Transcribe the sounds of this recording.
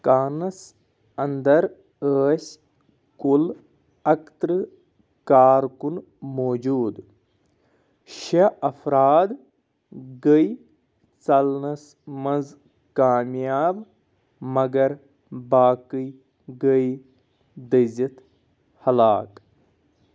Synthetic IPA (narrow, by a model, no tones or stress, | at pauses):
kaːnɐs | ɐnd̪ɐɾ | əːs | kul | ɐkt̪ɾɨ | kaːɾkun | moːd͡ʒuːd̪ | ʃeɐfʰɾaːd̪ | ɡəj | t͡sɐlnɐs | mɐnz | kaːmjaːb | mɐɡɐɾ | baːkɨj | ɡəj | d̪əzit̪ | hɐlaːk